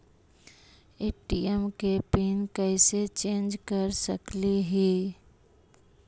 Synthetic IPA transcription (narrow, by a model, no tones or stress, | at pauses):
eːʈiɛmkepiːnkəɪset͡ʃẽːnd͡ʒkəɾsə̰kliɦiː